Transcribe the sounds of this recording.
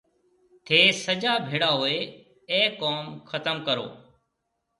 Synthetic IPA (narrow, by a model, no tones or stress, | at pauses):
t̪ʰeːsəd͡ʒaːbʱeːɽaːɦoːeː | ẽːkoːmxʰət̪əmkəɾo̰ː